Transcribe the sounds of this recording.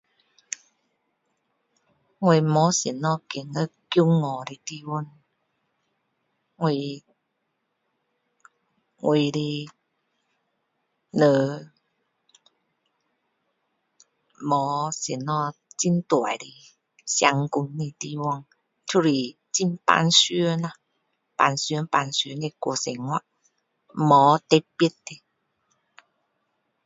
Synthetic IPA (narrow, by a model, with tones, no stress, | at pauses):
ŋwe˧˨mɔ˨˦se˨˩nːɔ˧ke˨˩ŋə˧˦kju˧˦ŋɔ˨ɾi˧˨t̪i˧wɔ˧˨n | ŋwe˧˨ | ŋwʔe˨˧˨ɾi˧ | nə˨ | mɔ˨˦se˨˩nɔ˧t͡ɕi˦nt̪wa̰˨jɾi˧ | sja˧ŋku˧nːi˧˨t̪i˧wɔ˧˨ŋ | tʰu˦˧ɾi˨˩ | t͡ɕi˦npa̰˧nsɥə˦na˧ | pa˧nsy˧˦pa˧nsy˧˦ne˧kwo̰˧˩˦se˨ŋwa˧ʔ | mɔ˨˦t̪e˧pi˦tte˧